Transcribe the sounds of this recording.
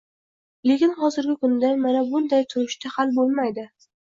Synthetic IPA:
le̞kʲɪnχɒzɪɾɡʲɪkʊnd̪anmanabʊnd̪ajt̪ʰʊɾɪʃt̪ahalbolˠmajd̪ɪ

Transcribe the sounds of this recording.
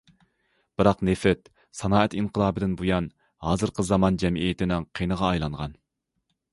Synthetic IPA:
b̥ɨɾɑqnefɾɪt̪̚ | sɑnɑːɛt̪inqʰəlˠɑːbɨd̪ɪnbujɑn | hɑːzɨɾqʰəzɑmɑnd͡ʒɛmijɪt̪ʰɪnɪŋqʰenəʁɑːjlˠɑɴʁɑ̰n

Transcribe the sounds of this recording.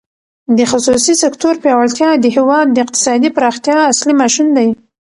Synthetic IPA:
d̪əxʊsusisɪkt̪oɾpjɑwalt̪jɑd̪əɦewɑd̪ːəɪq̚t̪ɪ̥sɑd̪ipɾɑxt̪jɑaslimɑʃund̪aj

